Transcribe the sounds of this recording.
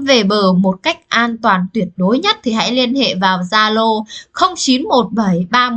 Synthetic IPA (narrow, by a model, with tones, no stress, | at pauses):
ve˨˩ɓəː˨˩mo˨˩t̚ka˦˥jk̟̚ʔaː˧nt̪waː˨˩nt̪wi˨˩ət̚ɗo˨˦jɲə˦˥t̚t̪ʰi˨˩ɦa̰˧˥jli˧ənhḛ˧˨vaː˨˩wzaː˧lo˧xə˧wŋ͡mt͡ɕi˨˦nmo˨˩t̚ɓə˧˩jɓaː˧